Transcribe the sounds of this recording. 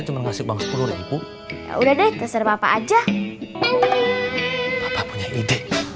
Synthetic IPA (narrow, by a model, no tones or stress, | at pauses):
t͡ʃuŋənmasɪk̚baŋət̪̚pulʊɾipṵ | udahdɛt̪əsərmapa̰ːd͡ʒa | bapapuɲaʔidɛʔ